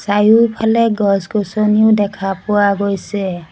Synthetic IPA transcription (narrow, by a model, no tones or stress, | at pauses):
sajupʰalɛɡɔskɔsɔniʊdɛkʰapʊwaɡojsɛ